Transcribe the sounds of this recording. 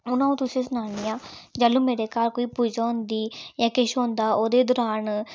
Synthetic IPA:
ʊnãːũːt̪ʊsĩːsʊnaːniːaːd͡ʒəlũːmeːɾeːkaːɾkoːiːpuːd͡ʒaːʊnd̪iːjãːkɪʃõːnd̪aːoːd̪eːd̪ɔːɾaːn

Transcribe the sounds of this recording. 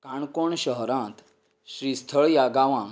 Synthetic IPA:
kaɳkoɳɕəɦɾãt̪ | ɕɾist̪ʰəɭjaɡaʋã

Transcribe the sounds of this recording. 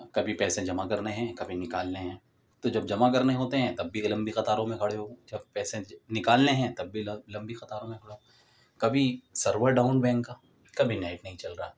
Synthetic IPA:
kɐbʱipɛːsẽd͡ʒɐmakɐɾneɦɛ̃kɐbʱinɪkaːlneɦɛ̃ː | t̪od͡ʒɐb̚d͡ʒɐmak̬ɐɾneɦoːt̪eɦɛ̃t̪ɐbːilɐ̃mbixɐt̪aːɾõmẽkʰɐɽeɦod͡ʒɐbpɛːsẽnɪkaːlneɦɛ̃t̪ɐbːilɐ̃mbixɐt̪aːɾõmẽkʰɐɽeɦo | kɐbʱisɐɾʋəɾɖaːʊnbɛ̃ːŋkkːaː | kɐbʱinaːɪʈnɐɦĩt͡ʃɐlɾaaː

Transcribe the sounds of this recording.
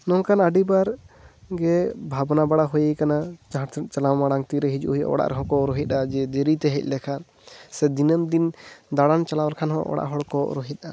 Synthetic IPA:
nɔŋkanaɖibaɾɡɛbʱabnabaɽaɦujajkanat͡ʃt͡ʃalawmaɽaŋt̪iɾɛɦid͡ʒṵʔɦij̰ʔɔ̰ɽa̰ʔɾɛɦɔ̃kɔɾɔɦit̪̚ˀad͡ʒɛd̪eɾit̪ɛɦɛc̚ˀlɛkʰan | sɛd̪inəmd̪ind̪aɽant͡ʃalawalkʰanɦɔ̰̃ʔɔ̰ɽa̰ʔɦɔɽkɔɾɔɦit̪̚ˀa

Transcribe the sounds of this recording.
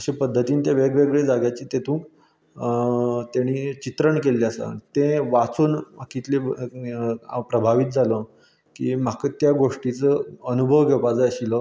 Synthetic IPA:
əɕepəd̪ʱːət̪iːnit̪jaʋeɡɭeɡɭed͡zaɡjat͡ɕiːt̪et̪ʰũːŋk | t̪jaɽ̃it͡ɕit̪ɾəɳkeleasa̰t̪ẽʋat͡suːnkit̪le | pɾəbʱaʋit̪̚d͡zalɔ | kiːm̤akət̪jaɡoʂʈit͡səənubʱəʋɡʱepad͡zəjəɕilɔ

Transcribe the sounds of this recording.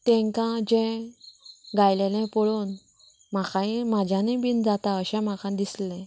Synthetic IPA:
t̪ɛ̃ŋkãd͡ʑɛ̃ | ɡajlelɛ̃pɔɭon | m̤akãimad͡ʑʱjanebind͡zat̪aəɕɛ̃m̤akãd̪islɛ̃

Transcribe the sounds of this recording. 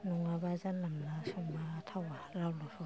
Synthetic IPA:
nuŋabazanːamnasɔŋmaːtʰawaɾawlɔsɔ

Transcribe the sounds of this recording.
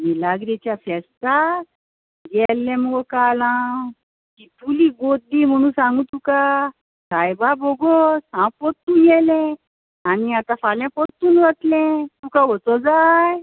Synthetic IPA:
milaɡɾit͡ɕjafɛst̪a | ɡɛlːɛ̃məɡɔkalã | kit̪uliɡod̪im̤əɽ̃ũːsãŋɡũt̪uka | sajbabɔɡɔsãpɔt̪ːuɡɛlɛ̃ | aniat̪ãfaljãpɔt̪ːuːnʋat̪lɛ̃t̪ukaʋət͡sɔd͡zaj

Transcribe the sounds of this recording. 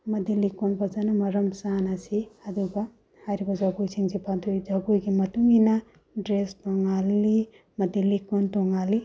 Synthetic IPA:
mɐdilikonbɐzanumɐɾɐmsanɐsiɐduɡɐ | hajɾibɐzaɡujsiŋzipandʰojd͡ʒaɡujɡimɐtuŋinɐ | dɾestɔŋali | mɐdilikontɔŋali

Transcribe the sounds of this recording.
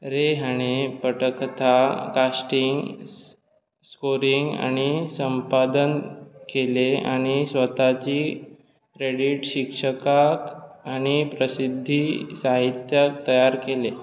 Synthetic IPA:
ɾeɦaɽ̃epəʈəkt̪ʰakasʈiŋɡ | skoɾiŋɡa̰ɽ̃isəmpad̪ənkeleaɽ̃isʋət̪at͡ɕiː | kɾeɽiʈɕikʂəkakañipɾəsid̪ʱːisaɦit̪jak̚t̪əjaɾkele

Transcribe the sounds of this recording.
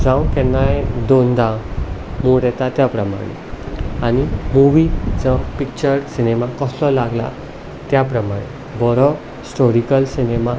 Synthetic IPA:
d͡zãw̃kɛnːajd̪ond̪ã | muɽɛt̪at̪japɾəma̰ɽ̃ḛañimuʋid͡zə̃pik̚t͡ɕəɾsinɛmakɔslɔlaɡla̰ | t̪japɾəmaɽ̃e | bɔɾɔ | sʈɔɾikəlsinema

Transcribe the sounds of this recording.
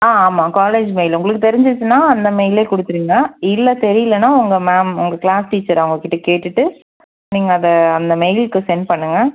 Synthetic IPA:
aːaːmaːkaːleːd͡ʒmeɪlʊŋɡɐɭɯkːɯt̪ɛɾɪɲd͡ʒɯt͡ʃːɯnːaːɐnd̪ɐmeɪleːkʊɽɯt̪ːɯɾiːŋɡɐɪlːɛt̪ɛɾɪjɪlɐnːaːʊŋɡɐmɛːmʊ̰ŋɡɐklaːsʈiːt͡ʃːɐɾɐʋʊŋɡɐkːɪʈːɐkeːʈːɯʈːɯ | niːŋɡɐːðɐɐnd̪ɐmɛɪlkɯsɛnpɐɳːɯŋɡɐ

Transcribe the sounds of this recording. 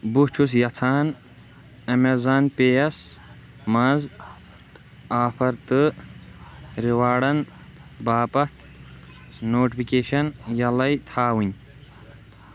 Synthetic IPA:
bust͡ʃʰus̬jɐt͡sʰaːn | ɐmezaːnpejɐs | mɐz | aːpʰɐɾt̪ɨ | ɾiwaːɽɐn | baːpɐt̪ʰ | noːʈipʰikeːʃɐnjɐlɐjt̪ʰaːwunʲ

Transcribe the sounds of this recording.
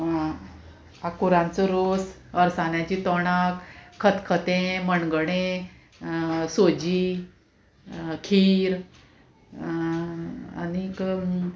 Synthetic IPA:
akuɾãnt͡sɔɾos | əɾsanjat͡ɕiːt̪ɔɳakʰːət̪kʰət̪ẽmənɡəɽẽ | sod͡ʑiː | kʰiɾ | a̰nik

